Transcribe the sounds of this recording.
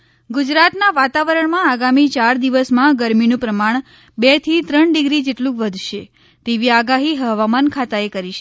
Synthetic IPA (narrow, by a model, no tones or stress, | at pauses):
ɡud͡ʒɾat̪naʋat̪aʋəɾəɳmãːɡamit͡ʃaɾd̪iʋəsmãɡəɾminũpɾəmaɳ | bet̪ʰit̪ɾəɳɖiɡɾid͡ʒeʈlũʋəd̪ʱʃe | t̪eʋiaɡaɦiɦəʋamankʰat̪aekəɾiʃe